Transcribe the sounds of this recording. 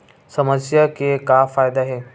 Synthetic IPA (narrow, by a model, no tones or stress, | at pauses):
səməsjakekafajd̪aɦe